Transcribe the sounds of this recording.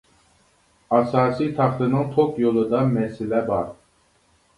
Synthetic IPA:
ɑsɑːsit̪ʰɑχt̪ɨnɨŋt̪ʰokjolˠɨd̪ɑmɛsɪlɛbɑɾ

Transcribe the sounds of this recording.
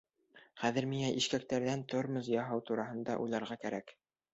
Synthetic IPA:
χæðɘ̆ɾmiŋæʔiʃkæk̚t̪æɾðænt̪ʰoɾmɘzjɑɦɑwt̪uɾɑɦɤ̆nd̪ɑ̰ʔṵjlˠɑɾʁɑkæɾæk

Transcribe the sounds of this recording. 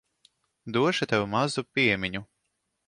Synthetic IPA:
d̪uɔʃit̪ɛwumazupʲiɛmʲiɲu

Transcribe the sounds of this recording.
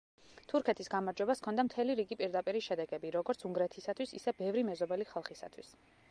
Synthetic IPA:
t̪ʰuɾkʰɛt̪ʰisɡamaɾd͡ʒwɛbaskʰɔnd̪amt̪ʰɛliɾiɡipʼiɾd̪apʼiɾiʃɛd̪ɛɡɛbiɾɔɡɔɾt̪sʰuŋɡɾɛt̪ʰisat̪ʰwisisɛbɛvɾimɛzɔbɛliχalˠχisa̰t̪ʰwis

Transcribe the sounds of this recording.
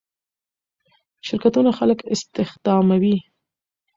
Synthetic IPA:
ʃɪɾkat̪unaxaləkɪst̪ɪxd̪̥ɑmawi

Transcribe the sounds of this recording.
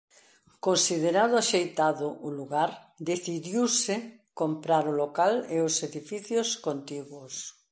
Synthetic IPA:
konsiðeɾaðʊaʃejt̪aðʊʔʊluɣaɾ | d̪eθiðjiwsɪkompɾaɾolokaleoseðifiθjoskont̪iɣwʊs

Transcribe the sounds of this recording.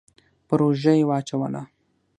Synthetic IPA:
pɾoʒajewɑt͡ʃawəla̰

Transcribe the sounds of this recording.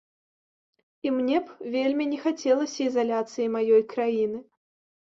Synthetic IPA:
imnʲɛpvʲelʲmʲinʲɛxat͡sʲɛlˠɐsʲɐizalʲat̪sɨjimajɔjkɾajinɨ

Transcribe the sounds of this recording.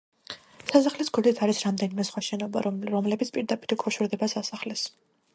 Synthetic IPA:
sasaχlisɡʰud̪it̪ʰaɾisɾamd̪ɛnimɛsχwaʃɛnɔba̰ɾɔmlɛbit̪sʰpʼiɾd̪apʼiɾikʰʼɔʃuɾd̪ɛbasasaχlɛs

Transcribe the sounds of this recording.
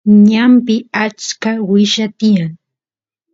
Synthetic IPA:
ɲampɪat͡ʃkawɪʃat̪ɪjaŋ

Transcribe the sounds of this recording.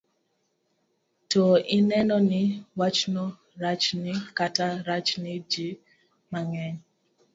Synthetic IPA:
tɔinɛnɔniwat͡ʃnɔ | ɾat͡ʃnikataɾat͡ʃnid͡ʒi | maŋɛɲ

